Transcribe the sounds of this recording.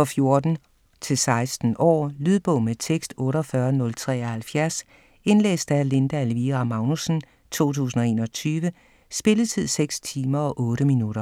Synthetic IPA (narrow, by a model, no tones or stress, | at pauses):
fɒ̽fjo̝ɐd̥n̩ | t͡sʰe̝lsɑ̈ɪsd̥n̩ʔɒ̰ːlyð̞ˠb̥ɔ̽ʊmet͡sʰeɡ̥sd̥ɔ̽ːɾɒfɶɐnɔ̽lt͡sʰʁɛ̰ːhælfjæɐs | e̝nlḛːsd̥æle̝nd̥æælʋiːʁɑmɑ̈ʊnusn̩ | t͡sʰo̝̰ːt͡sʰṵːsn̩ɒ̽e̝̰ːnɒ̽t͡sʰyːʋə | sb̥e̝ləð̩ˠt͡sʰið̰ˠseɡ̥st͡sʰiːmɐɒ̽ʔɔ̽ːɾəminuɾ̥ɐ